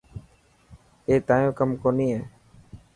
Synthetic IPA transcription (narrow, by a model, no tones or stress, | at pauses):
eːt̪ãːjõːkəmkoːniːɦeː